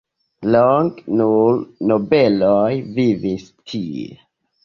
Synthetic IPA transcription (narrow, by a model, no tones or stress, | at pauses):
lɔŋknulnobɛlɔjvivistʰi